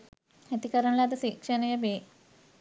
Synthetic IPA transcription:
et̪ikɐɾɐɳlad̪ɐsiːkʂɐnɐjɐbe

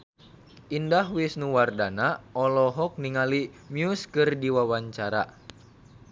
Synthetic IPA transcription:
ʔindahwɪsnuwardanaɔlɔɦɔk̚niŋali | miuskɨrdiwawaɲt͡ʃaɾa̰

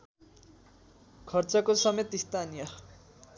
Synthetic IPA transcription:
kʰʌrt͡sʌkosʌmet̪ist̪ʰanijʌ

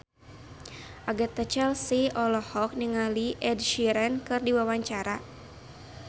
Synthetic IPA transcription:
ʔaɡat̪at͡ʃɛlsiʔɔlɔhɔk̚niŋaliʔɛdʃiɾɛnkɨrdiwawaɲt͡ʃaɾa

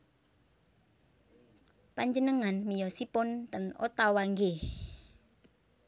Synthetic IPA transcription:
paɲd͡ʒənəŋanmijɔsipʊnt̪əno̰t̪awaŋɡe

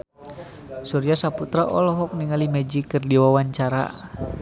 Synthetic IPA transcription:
suɾiasaput̪ɾaʔɔlɔɦɔk̚niŋalimɛd͡ʒikərdiwawaɲt͡ʃaɾa̰

